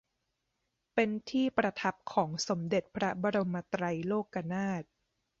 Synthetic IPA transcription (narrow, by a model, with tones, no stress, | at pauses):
pe˧nt̪ʰiː˥˩pɾa˧t̪ʰa˦˥p̚kʰɔː˩˦ŋso˩˦mde˨˩t̪̚pʰɾa˦˥ba˧ɾo˧mːa˧t̪ɾa˧jloː˥˩kːa˧naː˥˩t̪̚